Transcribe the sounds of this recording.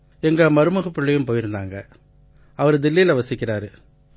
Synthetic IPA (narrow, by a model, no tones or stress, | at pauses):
ɛŋɡɐmɐɾɯmɐɣɐpːɪɭːɐjɯ̃mpoːjɪɾɯnd̪aːŋɡɐ | ɐʋɐɾd̪ɪlːilɐʋɐsɪkːɪɾaːɾɯ